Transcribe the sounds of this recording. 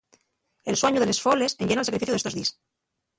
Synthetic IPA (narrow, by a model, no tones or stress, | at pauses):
elswaɲuðele̞sfoleseɲʝenalsakɾifiθjuðest̪oðis